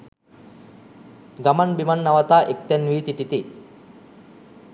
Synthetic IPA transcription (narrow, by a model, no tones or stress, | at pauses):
ɡamanbimanːaʋat̪aːʔek̚t̪ɛnʋiːsiʈit̪i